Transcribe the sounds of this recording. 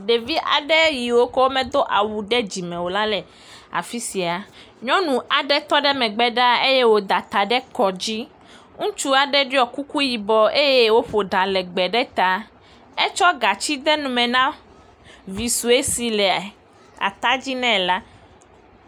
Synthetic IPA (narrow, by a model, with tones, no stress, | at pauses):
ɖe˨vi˦ʔa̰˨ɖɛ˦ji˨wo˦kɔ˦wo˦mɛ̃˦d̪o˦ʔa˨wu˨ɖɛ˦d͡ʑi˨mɛ̃˨wo˨la˦lɛ˨ | a̰˨fi˦si˨a˨ | ɲɔ̃˦nũ˨a˨ɖɛ˦t̪ɔ˦ɖɛ˦mɛ̃˨ɡ͡bɛ˦ɖa˦e˦je˦wo˦d̪a˨t̪a˨ɖɛ˦kɔ˨d͡ʑi˦ | ŋũ˦t͡ʃu˦a˨ɖɛ˦ɖi˦ɔ˨ku˦ku˦ji˨bɔ˨e˦je˦wo˦ɸo˨ɖã˨lɛ˨ɡ͡bɛ˨ɖɛ˦t̪a˨ | ɛ˦t͡ʃɔ˦ɡa˨t͡ɕi˦d̪ɛ˦nũ˨mɛ̃˨nã˦ | vi˨su˨e˦si˨lɛ˨ | a̰˨t̪a˦d͡ʑi˦nɛ̃˦˨la˦